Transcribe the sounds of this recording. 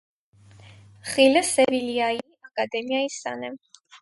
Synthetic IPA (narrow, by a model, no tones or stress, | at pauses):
χilɛsɛviliai | akʼad̪ɛmiaisa̰nɛ